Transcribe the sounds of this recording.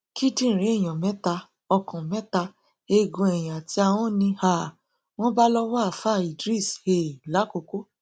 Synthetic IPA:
ki˦dĩ˦˨ɾe˨˦ɛ˦˨j̃ã˨mɛ̃˨˦ta˧ | ɔ˧kɔ̃˨mɛ̃˦ta˧ | e˧ɡũ˧ɛ˨j̃ã˨ti˦a˧w̃ɔ̃˦nĩ˧ha˦˨ | w̃ɔ̃˦ba˦lɔ˧wɔ˦a˨fa˦˨i˨dɾi˦˨she˨la˨˦ko˧ko˦

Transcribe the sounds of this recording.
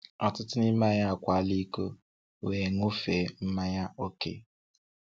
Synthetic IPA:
ɔ˨tʊ˦tʊ˦ni˦ma˦ɲa˦a˨kʷa˨˦li˦ko˦˨ | e˨ŋu˦fe˨˦m̩˦ma˦ɲa˦o˦kḛ˦˨

